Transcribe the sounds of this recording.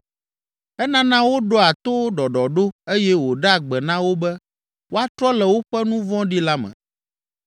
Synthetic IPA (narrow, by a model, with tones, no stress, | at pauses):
ɛ˦nã˦nã˦wo˦ɖɔ˦a˨t̪o˦ɖɔ˨ɖɔ˨ɖo˦e˦jɛ˦wo˨ɖa˦a˨ɡ͡bɛ˨nã˦wo˦bɛ˦ | wo˦a˦t̪ɾɔ˦lɛ˨wo˦ɸɛ˦nũ˦vɔ̃˦ɖi˦la˦mɛ̰̃˨